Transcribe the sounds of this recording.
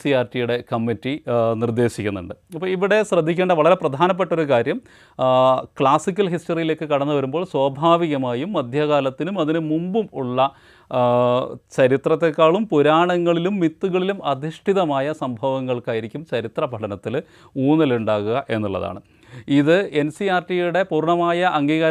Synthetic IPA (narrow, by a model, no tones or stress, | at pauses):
siaːrtijuɽe̞kɐmːitːinird̪e̞ːɕikʲːunːṵɳɖɨɐpːɐːiʋiɽe̞ɕrɐd̪ʱːikʲːeːɳɖɐʋɐɭɐɾe̞prɐd̪ʱaːnɐp̬ːeʈːo̞ɾukaːɾjɐm | kɭaːsik̬ʲːɐlɦisʈɐrijile̞ːkːɨkɐɽɐnːuʋɐɾumboːɭswaːbʱaːʋiɣɐmaːjumːɐd̪ʱjɐɣaːlɐt̪ːinumɐðinɨmumbumuɭːɐ | t͡ɕɐɾit̪rɐt̪ːe̞kːaːɭumpuɾaːɳɐŋːɐɭilumːit̪ːuɣɐɭilumɐd̪ʱiʂʈʰiðɐmaːjɐsɐmbʱɐʋɐŋːɐɭkaːjiɾikʲːumt͡ɕɐɾit̪rɐbʱɐɽɐnɐt̪ːil | uːnɐluɳɖaːɣuɣɐʔe̞nːuɭːɐ̰ða̰ːɳɨ | iðɨe̞nsiaːrʈijuɽe̞puːrɳɐmaːjɐʔɐŋɡiːɣɐɾ